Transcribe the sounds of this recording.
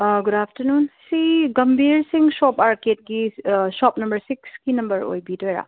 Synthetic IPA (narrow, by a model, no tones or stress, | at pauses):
ɡʊdapʰtəɾnunsiɡɐmbʱiɾsiŋsɔpaɾket̚ɡisɔpnɐmbəɾsiksɡinɐmbəɾo̰jbiteɾa̰